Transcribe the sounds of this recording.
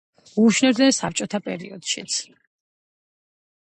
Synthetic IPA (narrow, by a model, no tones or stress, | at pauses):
uːʃnɛbd̪nɛnsap̚t͡ʃʼɔt̪ʰapʼɛ̰ɾḭɔ̰d̪̥ʃḭt̪sʰ